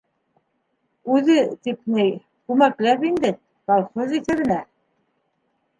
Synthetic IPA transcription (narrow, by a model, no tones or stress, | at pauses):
ʉðɘt̪ip̚nɘj | kʉmæklæpind̪ɘ | kɑlˠχozit̪ɘ̆ɾɘ̆næ